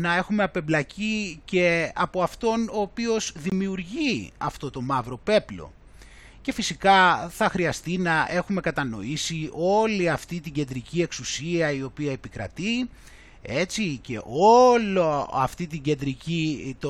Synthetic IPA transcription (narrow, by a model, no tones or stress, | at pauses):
nɐe̞xume̞ɐpe̞blɐcice̞ɐpo̞ɐft̪o̞no̞ːpio̞zðimiuɾʝiɐ̰ft̪o̞t̪o̞mɐvɾo̞pe̞plo̞̰ | ce̞fisikɐθɐxɾiɐst̪inɐʔe̞xume̞kɐt̪ɐno̞̰isio̞liɐft̪it̪̬iɟe̞nd̪ɾicie̞ksusiɐio̞piɐepikɾɐ̰t̪i | e̞t͡sice̞̰ʔo̞loɐ̰ft̪it̪iɟe̞nd̪ɾicit̪